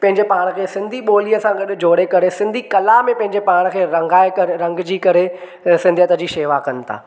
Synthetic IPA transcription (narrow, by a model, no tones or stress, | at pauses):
pɐ̃ɦɪɲd͡ʑepaːɽ̃əkʰeːsɪ̃nd̪ʱiɓoːliəsãɡɐɗɪ̆d͡ʑoːɽekɐɾesɪ̃nd̪ʱikɐlamẽpɐ̃ɦɪ̃ɲd͡ʑepaːɽ̃əkʰeːɾɐ̃ŋɡaːekɐɾɐ̃ŋɡd͡ʑiːkɐɾe | sɪ̃nd̪ʱiət̪əd͡ʑiːʃeːʋakɐnɪ̆t̪ʰa̰ː